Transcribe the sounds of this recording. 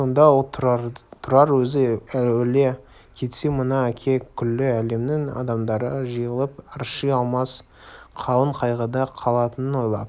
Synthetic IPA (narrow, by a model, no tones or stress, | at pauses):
o̞nd̪ɑwolˠt̪ʰɑt̪ʰʊɾɑɾwɵzɪæwele̞ | kʲʰe̞t̪se̞mənɑækʲʰe̞kʲʰʏlːɪæle̞mnɪŋɑ̰d̪ɑmd̪ɑɾəʒəjəlˠəpɾʃijɑlˠmɑs | qʰɑwəɴqʰɑjʁəd̪ɑqʰɑlˠɑt̪ənənwo̞jlˠɑ̰d̪